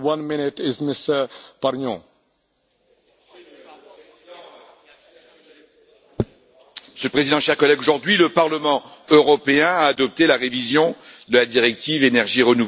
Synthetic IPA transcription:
wʌ̃nmɪnɪtɪzmɪsəpaɾnɔ̃ | məsjølpχezid̪ɑ̃ʃɛʁkɔlɛɡoʒuʁd̪ɥiləpaʁləmɑ̃øʁɔpeɛ̃aːd̪ɔp̚t̪elaʁevizjɔ̃d̪əlad̪iʁɛk̚t̪ivenɛʁʒiʁənu

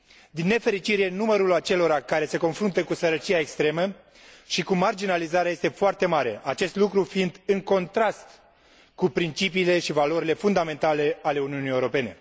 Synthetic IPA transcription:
d̪inːe̞fe̞ɾit͡ʃiɾe̞numəɾulat͡ʃe̞lo̞ɾakaɾe̞se̞ko̞nfɾunt̪əkusəɾət͡ʃiaekst̪ɾe̞mə | ʃikumard͡ʒinalizaɾeaje̞st̪efoart̪e̞maɾe̞̰ʔat͡ʃe̞st̪lukɾufind̪ɨŋko̞nt̪ɾast̪ | kupɾint͡ʃipiːle̞ʃivalo̞ɾile̞fund̪ame̞nt̪ale̞ale̞uniunijewɾo̞pe̞ne̞

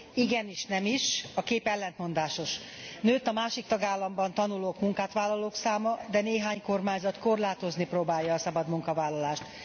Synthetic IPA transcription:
iɡɛniʃnɛmiʃɒkeːpɛlːɛnt̪mo̞nd̪aːʃo̞ʃ | nøːt̪ːɒmaːʃik̚t̪ɒɡaːlːɒmbɒnt̪ɒnuloːkmuŋkaːt̪ʋaːlːɒloːksaːmɒd̪ɛneːɦaːɲko̞rmaːɲzɒt̪ko̞rlaːt̪o̞zniproːbaːjːɒːsɒbɒd̪muŋkɒvaːlːɒlaːʃt̪

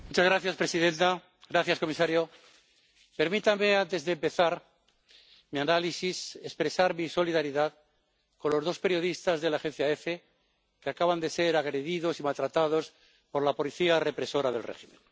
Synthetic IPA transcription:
mut͡ʃazɣɾaθjaspɾe̞siðe̞nt̪a | ɣɾaθjasko̞misaɾjo | pe̞ɾmit̪ame̞ant̪ezðempe̞θaɾ | mianalisise̞spɾe̞saɾmiso̞liðaɾiðað | ko̞nlo̞zðo̞spe̞ɾjo̞ðist̪azðe̞laːxe̞n̟θjae̞fe | keakaβand̪e̞se̞ɾaɣɾe̞ðiðo̞simalt̪ɾat̪að̞o̞s | po̞ɾlapo̞liθiare̞pɾe̞so̞ɾaðe̞lrḛximẽ̞̰n

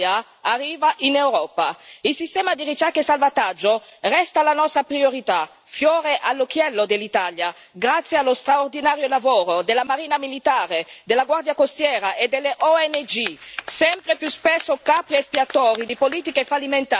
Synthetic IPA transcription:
a | arːiːvaʔinewɾɔːpa̰ilsist̪ɛːmad̪irit͡ʃɛkːesalvat̪ad͡ʒːorɛst̪alanɔst̪ɾapɾioɾit̪a | fjɔːɾeʔalːokjɛlːod̪elːit̪alja | ɡɾat̪sːjealːost̪ɾaord̪inaːɾjolavoːɾod̪elːamaɾiːnamilit̪aːɾed̪elːaɡward̪jakost̪jɛːɾaʔed̪ːelːeʔɔɛned͡ʒisɛmpɾepjuspesːokapɾiespiat̪ɔːɾid̪ipoliːt̪ikefalːiment̪a

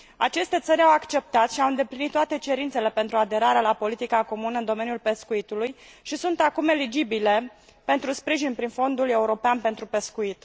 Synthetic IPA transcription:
a̰t͡ʃe̞st̪e̞t̪səɾʲawakt͡ʃe̞p̚t̪at̪ʃiawɨnd̪e̞plinit̪ːoat̪e̞t͡ʃe̞ɾint̪se̞le̞pe̞nt̪ɾuad̪e̞ɾaɾeelapo̞lit̪ikako̞munəɨnd̪o̞me̞nijulpe̞skuit̪ulujʃisunt̪akume̞lid͡ʒibile̞ | pe̞nt̪ɾuspɾiʒinpɾinfo̞nd̪ule̞uɾo̞peanpe̞nt̪ɾupe̞skuit̪

